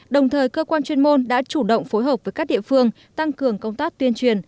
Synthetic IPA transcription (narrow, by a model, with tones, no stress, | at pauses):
ɗə˨˩wŋ͡mt̪ʰəː˨˩jkəː˧kwaː˧nt͡ɕwi˧ənmo˧nɗa̰ː˧˥t͡ɕu˧˩ɗə̰˧˨wŋ͡mfo˨˦jɦəː˨˩p̚vəː˨˦jkaː˦˥k̚ɗḭ˧˨ə˨fɨ˧əŋ | t̪a˧ŋkɨ˨˩əŋkə˧wŋ͡mt̪aː˦˥k̚t̪wi˧ənt͡ɕwi˨˩ən